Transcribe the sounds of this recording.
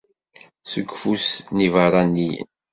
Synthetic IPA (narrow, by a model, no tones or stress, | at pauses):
sukfusnivɑɾˤɑnːijə̰n